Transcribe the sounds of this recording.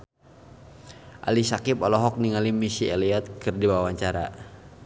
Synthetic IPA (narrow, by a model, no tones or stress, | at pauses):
ʔa̰lisakipɔlɔɦɔk̚niŋalimisiɛliɔt̪̚kɨrdiwawaɲt͡ʃaɾa̰